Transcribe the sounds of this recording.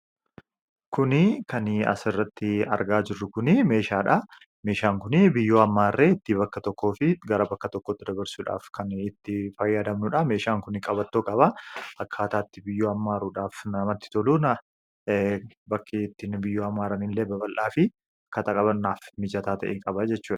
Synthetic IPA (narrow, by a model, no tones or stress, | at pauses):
kʊnɪkʰɐnɐ̰sɪrːɐt̪ːɪɐ̰ɾɡaːd͡ʒɪrːʊkʊnɪme̞ːʃaːᶑɐ | meːʃaːŋkʊnɪbɪjːoːɐmːaːrːeːɪt̪ːɪbɐkːɐt̪ɔkʰːoːfɪɡɐɾɐbɐkːɐt̪ɔkːoːt̪ːɪd̪ɐbɐɾsuːᶑa̰ːfkʰɐnɪt̪ːɪfɐjːaːd̪ɐmnʊᶑɐme̞ːʃaːŋkʊnɪkʼɐbɐt̪ːoːkʼɐβɐʔɐkʰːaːt̪aːt̪ːɪbɪjːoːɐmːaːɾuːᶑaːfnɐmɐt̪ːɪ̥t̪ɔluːnɐ | bɐkʰːɪɪt̪ːɪnbɪjːoːɐmːaːɾɐnɪlːeːbɐbɐlʔaːfɪ | ɐkɐt̪ɐkʼɐβɐnnaːfmɪd͡ʒɐt̪aːt̪ɐ̰ʔeːkʼɐbɐd͡ʒɛt͡ʃːuːᶑ